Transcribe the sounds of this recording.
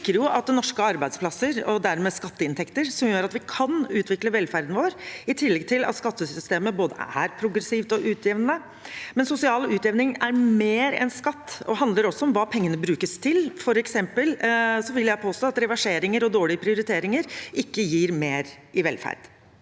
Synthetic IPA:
kːəɾjʊʔɑt̪̚d̪ɛnɔʂkəɑɾbæɪspʰlɑsəɾɔd̪æɾmɛːskɑt̪ːəɪnt̪ʰɛkt̪əɾsɔmjøːɾɑt̪ʋɪkʰɑnʉːt̪ʋɪkləʋɛlfæɾd̪n̩ʋoːɾɪt̪ʰɪlːɛɡt̪ʰɪlʔɑ̰t̪skɑt̪ːəsʏst̪eːməboːd̪ə̰æ̰ɾpʰɾʊɡɾɛsiːʋt̪ɔʔʉːt̪ʰjɛʋnnːə | mɛnsʊsɪɑːlʉːt̪ɛʋnɪŋæɾmeːɾɛ̰nskɑt̪ːɔɦɑnd̪ləɾɔsːɔɔmʋɑːpʰɛŋːənəbɾʉːkəst̪ʰɪlfɔɾɛksɛmpəlsɔʋɪljæɪpʰoːst̪oːɑt̪ɾɛʋɑʂeːɾɪŋəɾɔd̪oːɭɪəpʰɾɪʊɾɪt̪ʰeːɾɪŋəɾʔɪkːəjiːɾmeːɾ | ɪʋɛlfæ̰ɾd̪̥

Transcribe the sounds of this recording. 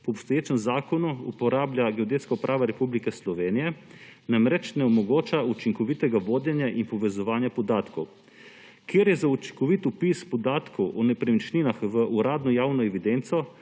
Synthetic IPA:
pɔɔpst̪ɔjeːt͡ʃɛmzaːkɔnuupɔɾaːblʲjaɡɛod̪et̪skaupɾʔaːʋaɾɛpublikɛslɔʋeːnijɛ | namɾɛt͡ʃnɛɔmɔɡoːt͡ʃaut͡ʃiŋkɔʋit̪ɛɡaʋoːd̪janjaʔinpɔʋɛzɔʋaːnjapɔd̪aːt̪kɔw | kjeːɾjɛzaut͡ʃi̥ŋkɔʋit̪upispɔd̪aːt̪kʰɔwʔɔnɛpɾɛmit͡ʃninaxʋəʔuɾaːd̪nɔjaːwnɔɛʋid̪ent̪sɔ

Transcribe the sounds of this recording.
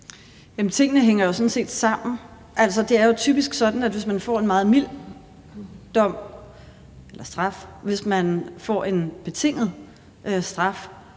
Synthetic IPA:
jæmənt͡sʰe̝ŋ̰ənəɦeŋ̰ɐjo̝sɒ̽n̩se̝̰ːd̥sɑ̈m̰n̩ | ʔæl̰sɒ̽d̥e̝æɐjo̝t͡sʰy̰ːb̥isɡ̥sɒ̽d̥n̩ædʋe̝smænfɒ̰ːe̝nmɑ̈ːð̞̩ˠmil̰ | d̥ɒ̽m̰ | elɐsd̥ʁɑ̈fʋe̝smænfɒ̰ːe̝nb̥e̝t͡sʰe̝ŋ̰ð̩ˠ | ʔsd̥ʁɑ̈f

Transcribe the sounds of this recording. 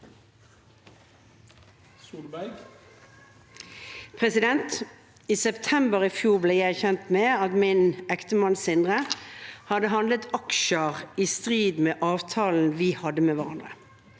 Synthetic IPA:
suːlbæ | pʰʁɛsɪd̪ɛnt̪ | iːsɛpt̪ʰɛmbəʁɪfjuːʁbleɪjæɪçɛnt̪meːɑt̪mɪnɛkt̪əmɑnsɪnd̪ʁəhɑd̪əɦɑnd̪lət̪ɑkʃəʁiːst̪ʁiːd̪meːʔɑːʋt̪ʰɑːln̩ʋɪhɑd̪əmeːʋɑʁɑnd̪ʁə

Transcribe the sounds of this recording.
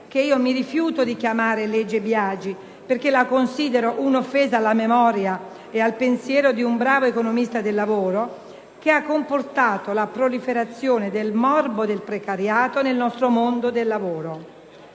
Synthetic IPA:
k̟eiːomiɾifjuːt̪od̪ikjamaːɾeled͡ʒːebjaːd͡ʒi | perkelakonsiːd̪eɾoʔunofːeːzaːlːamemɔːɾja | ealpensjɛːɾod̪iumbɾaːvoekonomist̪ad̪elːavoːɾo | k̟eakːomport̪aːt̪olapɾolifeɾat̪sːjoːned̪elmɔrbod̪elpɾekaɾjaːt̪onelnɔst̪ɾomond̪od̪elːavoːɾo

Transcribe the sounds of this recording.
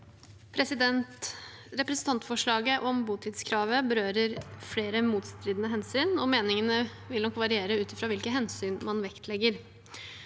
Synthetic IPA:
pʰɾɛsɪd̪ɛnt̪ | ɾɛpɾɛsn̩t̪ʰɑnt̪fɔʂɭɑːɡəʔɔmbuːt̪ʰɪt̪skʰɾɑːʋəbəɾøːɾəɾfleːɾəmuːt̪st̪ɾiːd̪ənəɦɛnsyːnɔmeːnɪŋənə | ʋɪlnɔkːʋɑɾɪeːɾəʉːt̪ɪfɾɑːʋɪlkəɦɛnsyːnmɑnʋɛkt̪ʰlɛɡəɾ

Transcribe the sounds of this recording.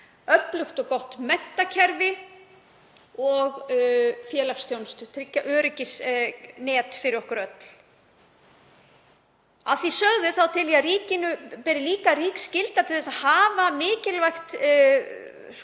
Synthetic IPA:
œt̪lʏxt̪ɔɣkɔht̪mɛn̥t̪acʰɛɾvɪ | ɔɣfjɛːlakst̪ʰjownst̪ʏt̪ʰɾɪcːaʔœːɾʏcɪsnɛːt̪fɪɾɪɾɔhkʏɾœt̪l̥ | a̰ðθisœɣðʏθawt̪ʰɪliaɾiːcɪnʏpɛːɾɪliːkaɾiːkscɪlt̪at̪ʰɪlθɛsaðhaːvamɪːcɪlvajxt̪

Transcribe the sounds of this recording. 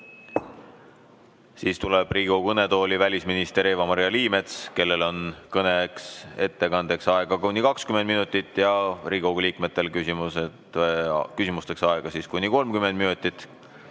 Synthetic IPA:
siːst̪uleb̥riːɡokɤne̞t̪o̞ːlʲivælʲisminist̪e̞ɾeːvɑmɑɾjɑliːme̞t̪ske̞lːe̞lo̞nkɤnekse̞t̪ːe̞kɑnd̪̥e̞ksɑeɡ̥ɑkunʲːikɑkskymend̪minut̪ːˑit̪ːˑjɑɾiɡoliːkme̞t̪ːˑe̞lkysimuse | kysimust̪e̞ksɑeɡ̥ɑsiːskunʲːiko̞lmkymend̪minut̪ʲːˑit̪ːˑ

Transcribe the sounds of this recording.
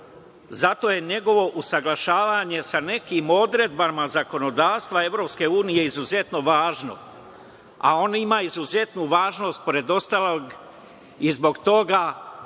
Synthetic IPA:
zat̪o̞ːje̞ɲe̞ɡo̞ʋo̞ʔusaɡlˠaʃaːʋaɲe̞sane̞kimo̞d̪ɾe̞d̪bamazako̞no̞d̪aːʋst̪ʋae̞ʋvɾo̞pske̞uːnije̞izuze̞t̪no̞ʋaːʒno̞̰ | a̰o̞nimaːizuze̞t̪nuʋaːʒno̞ːst̪̚po̞ɾe̞d̪o̞st̪alˠoɡ | izbo̞ɡt̪o̞ɡa

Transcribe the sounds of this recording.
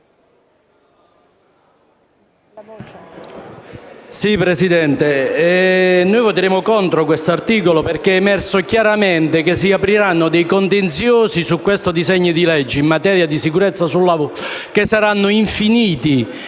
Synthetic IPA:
sipɾesid̪ɛnt̪eɛnojvot̪eɾeːmʊkɔnt̪ɾokwest̪oart̪iːkoloperkeɛmɛrsokjaɾament̪ekes̬ːiapɾiɾanːʊd̪ɛjkont̪ent̪sjoːsisukːwest̪ʊd̪izɛɲːid̪ilɛd͡ʒːeimːat̪ɛːɾjad̪isikuɾɛt̪sːasulːavk̟esːaɾanːʊiɱfiniːt̪i

